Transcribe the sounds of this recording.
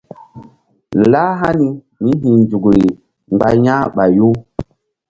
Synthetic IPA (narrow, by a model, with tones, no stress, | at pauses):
la˦ɦa˦ni˦ | mi˦ɦĩ˨nd͡ʒu˨kɾi˨ | ŋ͡mɡ͡ba˨jã˦ɓa˨jo˦